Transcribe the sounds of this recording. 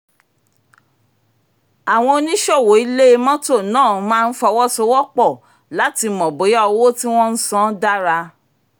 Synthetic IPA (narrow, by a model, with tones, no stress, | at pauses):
a˨w̃ɔ̃˧o˧nĩ˦ʃɔ˦˨wo˨˦i˧˦le˦e˧mɔ̃˦to˦˨nãː˦˨˧mãː˦˧n̩˦fɔ˧wɔ˦so˧wɔ˦k͡pɔ˦˨ | la˨˦ti˧mɔ̃˨bo˨˦ja˦ɔ˧˦wo˦ti˦w̃ɔ̃˦n̩˦sɔ̃˦da˦ɾa˧